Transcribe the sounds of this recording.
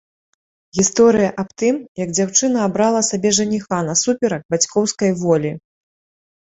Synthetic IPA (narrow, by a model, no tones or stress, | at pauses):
ɣʲist̪ɔɾɨjɐʔapt̪ɨmjɐɡd͡zʲawt͡ʂɨn̪ɐːbɾalˠɐsabʲɛʐɐnʲixanɐsupʲɛɾɐk̚bat͡sʲkɔwskɐjvɔlʲi